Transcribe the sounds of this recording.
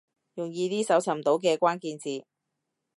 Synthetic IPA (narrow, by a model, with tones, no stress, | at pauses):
jʊ˨˩ŋjiː˧t̪iː˥sɐ˨˥wt͡sʰɐ˨˩mt̪o˨˥wk̬ɛː˧kʷaː˥nkiː˧nt͡siː˨˧